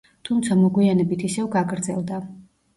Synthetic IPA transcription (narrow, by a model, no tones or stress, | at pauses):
t̪ʰumt̪sʰamɔɡwianɛbit̪ʰisɛvɡaɡɾd̪zɛ̰lˠd̪a